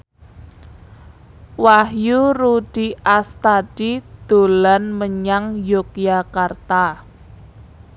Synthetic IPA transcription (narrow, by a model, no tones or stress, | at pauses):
wahjuɾud̥i̤ʔast̪ad̥id̪̥o̤lanməɲaŋjok̚jakart̪a